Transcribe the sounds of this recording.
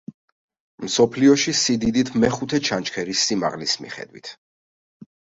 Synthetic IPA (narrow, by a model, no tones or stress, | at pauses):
msɔpʰliɔʃisid̪id̪it̪ʰmɛχut̪ʰɛt͡ʃʰant͡ʃʰkʰɛɾisːima̰ʁlismḭχɛ̰d̪wḭt̪ʰ